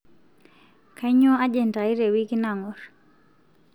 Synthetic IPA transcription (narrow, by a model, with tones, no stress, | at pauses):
ka˦ɲɔ˦a˦d͡ʒɛnta˨i˦ɾe˨wikinaŋɔɾ